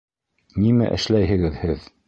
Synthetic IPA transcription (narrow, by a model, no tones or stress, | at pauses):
nimæ̰ʔɘ̰̆ʃlæjɦɘ̆ɡɘðhɘð